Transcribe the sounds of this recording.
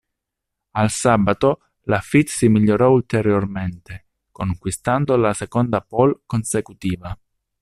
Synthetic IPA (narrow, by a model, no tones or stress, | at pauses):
alsaːbat̪o | lafit̪simiʎːoɾɔult̪eɾjorment̪e | koŋkwist̪and̪olasekond̪apɔlkonsekut̪iːva